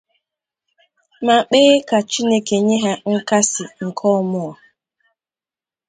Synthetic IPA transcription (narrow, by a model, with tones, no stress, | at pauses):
ma˨k͡peː˦ka˨t͡ʃi˦ne˦ke˨ɲe˦ɦa˦ŋ̩˦ka˦sɪ˨ŋ̩˨kʰɔ˦mʊ˦ɔ˨